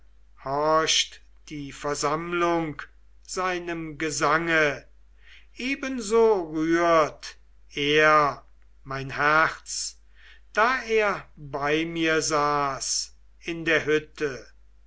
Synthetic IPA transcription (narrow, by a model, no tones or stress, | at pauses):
hɔɐʃt | d̥iːfɛɐzamlʊŋk | z̥aɪnəmɡəzaŋə | ʔeːbənzoːʁyːɐt | eːɐ | maɪnhæʁt͡s | d̥aːeːɐbaɪmiːɐzaːs | ɪndeːɐɦʏtʰə